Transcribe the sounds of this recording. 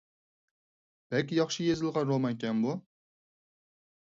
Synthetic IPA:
b̥ælkʲijɑχʃɪjezɪlˠʁɑɾomɑjkʲɛnbu

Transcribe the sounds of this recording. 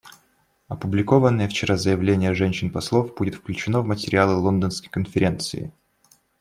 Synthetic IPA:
ɐpʊblʲɪko̞vənːəjəft͡ɕɪɾazəjɪvlʲenʲɪjəʐɛnʲɕɪnpɐslˠofbudʲɪt̪fklʲʉt͡ɕɪnovmətʲɪɾʲɪalˠɨlˠo̞nd̪ənskə̥jkənfʲɪɾʲe̞nt̪sɨ̰ɪ̰

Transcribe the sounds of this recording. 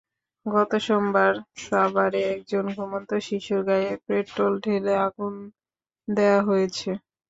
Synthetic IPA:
ɡɔt̪oʃombaɾʃabaɾeɛk̚d͡ʑonɡʱomont̪oʃiʃuɾɡajepɾeʈʈolɖʱeleaɡun | d̪eaɦojet͡ɕʰe

